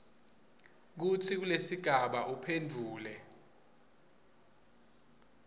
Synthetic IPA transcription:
k̬ut͡sʰik̬ulesiɡ̥ʱaɓaʔupʰendʱuːlɛ

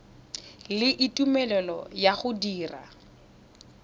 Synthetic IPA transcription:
lɪʔitʼumɛlɛlɔ̰jaɣʊdiːra̰

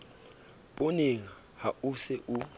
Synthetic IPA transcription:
ɓʼoniŋa | hausɛʔu

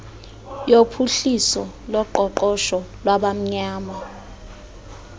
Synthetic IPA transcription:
jopʰuɬisɔ | lɔǃɔǃɔʃɔlwaɓam̩ɲaːma

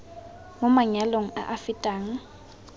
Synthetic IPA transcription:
mʊmaɲaloŋ̩a̰ʔafɪtʼaːŋ̩

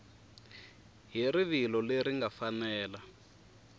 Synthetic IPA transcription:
ɦiɾiβilɔleɾiŋɡafanɛːla

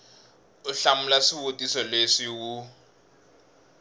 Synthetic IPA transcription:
uɬamulasiβotʼisɔlesiwu

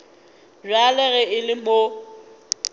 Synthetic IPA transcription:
ralɛɣɛɪlɪmo

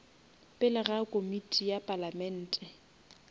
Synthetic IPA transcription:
pʼɪlɪɣakʼomitʼijapʼalamɛn̩ːtʼɛ

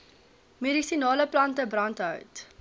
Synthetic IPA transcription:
meɾisinɑːləplɐntəbrɐntɦœ̰wt

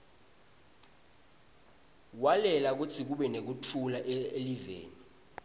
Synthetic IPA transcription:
walɛlak̬utʰik̬uɓɛnek̬utʰulaʔeelivḛːni

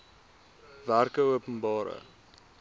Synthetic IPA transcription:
værkəuəpənbɑːɾə̰

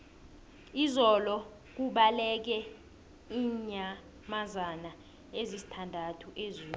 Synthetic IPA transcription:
izɔlɔ | k̬uɓalɛk̬ɛ | iːɲa | mazana | ezisi̥tʰandʱatʰuʔezuːlu

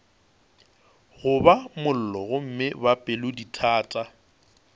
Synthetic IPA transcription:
ɣʊbamʊl̩lɔɣʊm̩mɪbapʼɪlʊditʰaːtʼa

